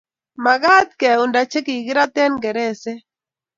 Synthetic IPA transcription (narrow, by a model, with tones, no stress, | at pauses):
ma˨ɡa˦t̪̚kɛ˨u˨nda˨t͡ʃe˦ki˨ɡɪ˦ɾa˦t̪ɛ˦nɡɛ˨ɾɛ˦˨sɛ˦